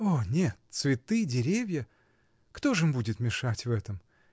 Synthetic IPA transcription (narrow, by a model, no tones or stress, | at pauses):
onʲet̪svʲɪt̪ɨdʲɪɾʲevʲjə | kt̪o̞ʐɨmʲbudʲɪt̪mʲɪʂatʲvɛt̪əm